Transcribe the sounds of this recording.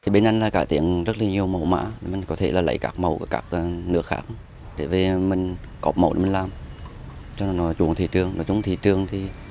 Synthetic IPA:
t̪ʰi˨˩ɓe˧nʔa˧jŋlaː˨˩kaː˧˩t̪ḭ˧˨əŋzə˦˥laː˨˩ɲi˨˩əwmə˨˩wma̰ː˧˥˨mï˨˩ŋ̟kɔ˨˦t̪ʰe˧˩laː˨˩lə̰˧˩jkaː˦˥k̚mə˨˩wkṵ˧˩kaː˦˥k̚ːnɨ˦˥ək̚xaː˧˥k̚ | ɗe˧˩ve˨˩mï˨˩ŋ̟ | kɔ̰˨˩p̚mə˨˩wɗḛ˧˩mi˨˩laː˨˩m | t͡ɕɔ˧˨˩nɔ˨˦t͡ɕu˧˩əŋt̪ʰi˧˨˩t͡ɕɨ˨˩əŋnɔ̰˨˦t͡ɕʊ˨˦ŋ͡mt̪ʰḭ˧˨t͡ɕɨ˨˩əŋt̪ʰi˨˩

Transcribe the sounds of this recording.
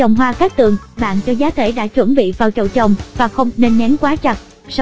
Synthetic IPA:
ə˨˩wŋ͡mɦwaː˧kaː˦˥k̚t̪ɨ˨˩əŋɓa̰ː˧˨nt͡ɕɔ˧zaː˨˦t̪ʰe˧˩ɗa̰ː˧˥t͡ɕwə˧˩ŋɓḭ˧˨vaː˨˩wt͡ɕə̰˧˩wt͡ɕə˨˩wŋ͡mvaː˨˩xə˧wŋ͡mne˧nːɛ˨˦nkwaː˨˦t͡ɕa˨˩t̚ | s

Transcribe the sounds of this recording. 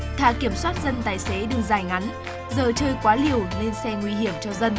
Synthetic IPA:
t̪ʰa̰ː˧˨ki˧˩əmswaː˦˥t̚zə˧nt̪aː˧˩jse˨˦ɗɨ˨˩ək̚zaː˧˩jŋa˨˦n | zəː˧˩t͡ɕəː˧jkwaː˨˦li˨˩əwne˧nsɛ˧ŋwi˧ɦi˧˩əmt͡ɕɔ˧zə˧n

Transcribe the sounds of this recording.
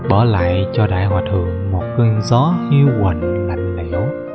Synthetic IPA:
ɓəː˧˩la̰ː˧˨jt͡ɕɔ˧ɗa̰ː˧˨jɦwaː˨˩t̪ʰɨ˧˩əŋmo˨˩t̚kə˧nzɔ˨˦hi˧əwɣə˧˨˩nla̰˧˨jŋ̟lɛ̰˧˨˦w

